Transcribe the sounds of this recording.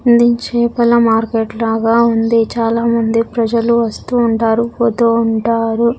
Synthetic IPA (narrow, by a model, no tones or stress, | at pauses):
nd̪it͡ʃɛːpɐlɐmaːɾkeːʈlaːɡaːund̪it͡ʃaːlaːmɐnd̪ipɾɐd͡ʒɐluʋɐst̪uːɳʈaːɾupot̪oːuɳʈaːɾu